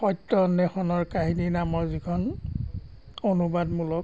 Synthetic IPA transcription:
xɔjtːɔnːɛxɔnɔɹkaɦininamɔɹzikʰɔn | onubadmulɔk̚

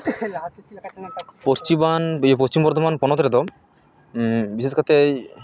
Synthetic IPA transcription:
post͡ʃimanpost͡ɕimbɔɾd̪ʱɔmanpɔnɔt̪ɾed̪ɔ | biseskʰat̪ej

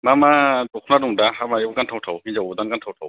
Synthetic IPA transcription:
mamadɔkʰnaduŋdahamajɔbkantʰawtʰawhizawdankantʰawtʰaw

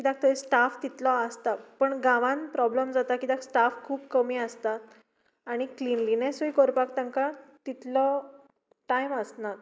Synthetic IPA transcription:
kid̪ak̚t̪əisʈaft̪it̪lɔəst̪apəɳɡãʋãnpɾɔbləmd͡zat̪akid̪aksʈafkʰuːbkəmiːəst̪at̪ | aɽ̃iklinlinesoikoɾpakt̪ãŋkat̪it̪lɔ | ʈajməsnat̪

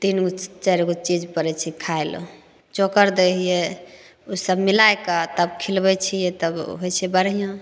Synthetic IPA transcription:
t̪int͡ʃaɾɡot͡ʃid͡ʒpəɾɛt͡ʃʰikʰaelo̰ | t͡ʃokəɾd̪eɦije | usəbmilajkat̪əbkʰilbɛt͡ʃʰijɛt̪əbɦojt͡ʃʰɛbəɾɦijõ

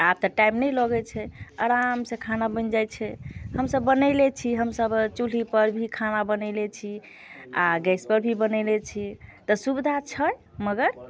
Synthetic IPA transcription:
ab̚t̪ɔʈaimnɛjlɔɡɛt͡ʃʰɛəɾamsẽkʰanabənd͡ʒajt͡ʃʰɛhəmsəbːənəlet͡ʃʰiɦəmsəbt͡ʃul̤ipəɾbʱikʰanabənəlet͡ʃʰi | aɡɛspəɾbʱibənɛlet͡ʃʰit̪ɔsubid̪ʱat͡ʃʰəjməɡəɾ

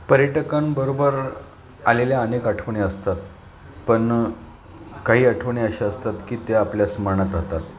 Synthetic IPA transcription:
pəɾjəʈəkambəɾobəɾ | aleljaənekaʈʰəʋɳeəst̪at̪̚ | pəɳ | kaɦiːəʈʰʋɳiəɕeəst̪at̪kiːt̪eapljasməɳ̃at̪ɾaɦt̪at̪

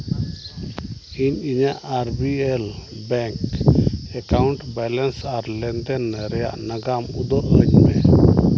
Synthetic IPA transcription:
iɲiɲaʔaɾbiɛlbɛŋk | ɛkawɳʈbɛlɛnsaɾlɛnd̪ɛnɾɛja̰ʔnaɡamud̪ɔʔəɲmɛ

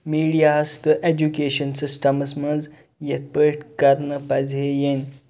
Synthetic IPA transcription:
miːɽijaɐst̪əʔed͡ʑukeɕənsisʈəmɐsməd͡z | jet̪̚pəʈkaɾnəpɐd͡zʱejen

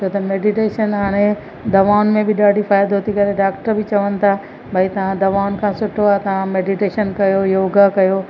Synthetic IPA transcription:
t͡ʃʰoːt̪ɐmeːɖiʈeːʃənɦaːɽ̃e | d̪ɐʋaːnmẽbʱɪɗaːɖʱifaːjd̪ɦoːt̪ʰikɐɾeɖaːkʈəɾbɪt͡ɕɐʋənɪ̆t̪ʰa | bʱɐit̪ɐʋ̤ãd̪ɐʋaːʊnkʰãːsʊʈʰoaːt̪ɐʋ̤ãmeːɖiʈeːʃənkɐjojoːɡakɐjo

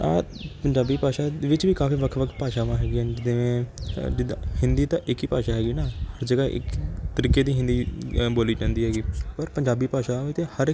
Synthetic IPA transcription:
aː | pəɲd͡ʒaːbiːpaːʃaːʋɪt͡ʃʋiːkaːfiːʋəkʰʋəkʰt̪paːʃaːʋãːɦɛːɡiːand͡ʒɪd̪eːʋẽːd͡ʒɪd̪ahɪ̃nd̪iːt̪ãːʔɪkiːpaːʃaːɦɛːɡiːnaːhəɾd͡ʒəːɡaːʔɪ̰kt̪əɾiːkeːd̪iːɦɪ̃nd̪iːboːliːd͡ʒãːnd̪iːɦɛːɡiːpəɾpəɲd͡ʒaːbiːpaːʃaːãːʋiːt̪eːhəɾɪ

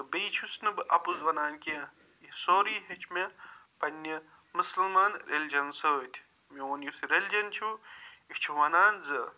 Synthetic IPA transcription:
bejt͡ʃʰusnɨbɨʔɐpuzʋɐnaːnʲkiã | jisoːɾiːɦet͡ʃʰmepɐnʲːɐ | mɨsɐlmaːnɾʲelʲd͡ʒɐnsɨt̪ʰʲ | meoːnjusiɾelʲd͡ʒɐnt͡ʃʰuit͡ʃʰuʋɐnaːnzɨ

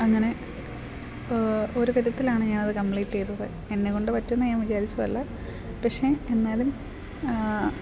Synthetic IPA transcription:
ɐŋːɐne̞ | o̞ɾukɐd̪ɐt̪ːilaːɳɨɲaːnɐðɨkɐmpliːʈːe̞jt̪ːuðɨ | enːeko̞ɳɖɨpɐtːunːɐjaːmʋit͡ɕaːɾit͡ɕːɐʋɐ̰lːɐ | pɐkʂe̞enːaːlum

